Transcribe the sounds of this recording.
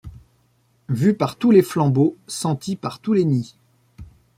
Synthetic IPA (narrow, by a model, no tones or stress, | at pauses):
vypaʁt̪uleflɑ̃bosɑ̃t̪ipaʁt̪uleni